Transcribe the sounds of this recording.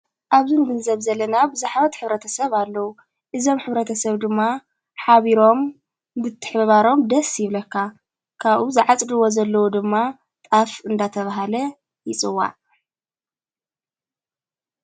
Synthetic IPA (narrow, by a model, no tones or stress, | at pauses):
ʔaβzɨnɡɨnzɐβzɐlːɐnabɨzaħβɐt̪ħɨβɾɐt̪ʰɐsɐβalːɐwu | ʔɨzo̞mħɨβɾɐt̪ʰɐsɐβd̪ɨmːa | ħaβiɾo̞m | bɨt̪ʰːɨ̥ħbɐβaɾo̞md̪ɐsjɪβlɐkːa | kʰaβʔuzɨʕat͡sʼd̪ɨwo̞zɐlːɐwud̪ɨmːa | t̪ʼafɨnd̪at̪ʰɐβaɦalɐ | jɪt͡sʼɨwːa̰ʔ